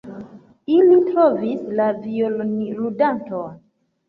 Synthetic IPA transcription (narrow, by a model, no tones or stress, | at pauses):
ilitɾovislaviolnludanton